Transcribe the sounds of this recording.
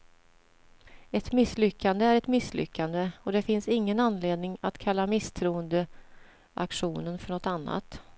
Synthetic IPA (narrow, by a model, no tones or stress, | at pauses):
ɛt̪mɪslʏkːand̪əæɾɛt̪mɪslʏ̰kːand̪əɔd̪ɛfɪnsɪŋːənanːleːd̪nɪŋat̪kʰalːamɪst̪ʰɾuːənd̪ə | ʔakʂuːnənfœɳɔt̪anːa̰t̪